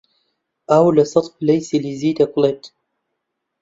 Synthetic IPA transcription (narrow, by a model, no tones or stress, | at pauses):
ʔawlasˤɨt̪ˤflajsiliziːd̪akʊlet̪